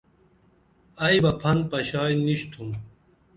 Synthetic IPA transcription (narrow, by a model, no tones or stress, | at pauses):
ɐjbɐpʰɐn̚pɐɕaːjniɕt̪ʰum